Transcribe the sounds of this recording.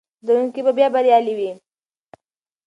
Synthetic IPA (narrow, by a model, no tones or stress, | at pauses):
d̪əɾuŋkibabjɑbaɾjɑliwi